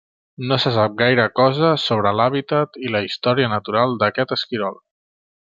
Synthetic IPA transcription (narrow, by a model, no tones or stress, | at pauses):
nosəsap̚ɡajɾəkɔzəsoβ̞ɾəlaβ̞it̪ət̪iləist̪ɔɾiənət̪uɾalˠd̪əkɛt̪əskiɾɔlˠ